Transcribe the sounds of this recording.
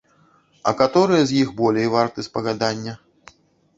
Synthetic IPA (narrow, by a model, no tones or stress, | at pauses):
ɐ̰kat̪ɔɾɨjɐzʲjixbɔlʲejvart̪ɨspɐɣad̪anʲːɐ